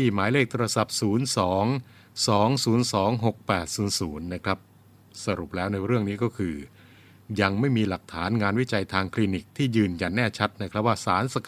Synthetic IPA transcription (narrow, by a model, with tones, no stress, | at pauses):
t̪ʰiː˥˩maː˩˦jleː˥˩k̚t̪ʰːa˧sa˨˩p̚suː˩˦nsɔː˩˦ŋ | sɔː˩˦˥ŋsuː˩˦˥nsɔː˩˦ŋɦo˨˩k̚pɛː˨˩t̪̚suː˩˦nsuː˩˦nːa˦˥kʰɾa˦˥p̚ | sa˧ɾu˨˩p̚lɛː˦˥wna˧jɾɯ˥˩əŋniː˦˥kɔː˥˩kʰɯː˧ | ja˧ŋma˥˩jmiː˧la˨˩k̚t̪ʰaː˩˦nŋaː˧nwi˦˥t͡ɕa˧jt̪ʰaː˧ŋkʰliː˧ni˨˩k̚t̪ʰiː˥˩jɯː˨˧nja˨˩nːɛː˥˩t͡ɕʰa˦˥t̪̚na˦˥˩kʰɾa˦˥p̚waː˥˩saː˩˦nsa˧k